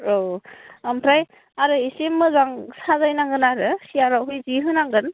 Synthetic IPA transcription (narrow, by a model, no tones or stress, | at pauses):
ɾoampʰɾaj | aɾɯisemːɯzaŋsazajnaŋɡɯnaɾɯsiaɾawɦɯjziɦɯnaŋɡɯn